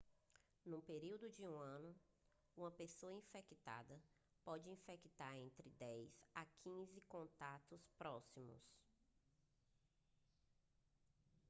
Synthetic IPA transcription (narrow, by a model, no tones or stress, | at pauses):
nũpeɾiwd̪ʊd͡ʒɪũɐ̃nʊ | ũmɐpesoɐĩfɛkit̪a̰d̪ɐ | pɔd͡ʒɪĩfɛkit̪aɾẽnt̪ɾɪd̪ɛjzakʰĩzɪkõnt̪at̪ʊspɾɔsimʊ̰s